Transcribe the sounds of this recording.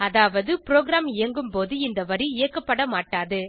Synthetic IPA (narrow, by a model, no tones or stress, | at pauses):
ɐðaːʋɐðɯpɾoːɡɾaːmɪjɐŋɡɯmpoːðɯɪnd̪ɐʋɐɾiɪjɐkːɐpːɐɽɐmaːʈːaːðɯ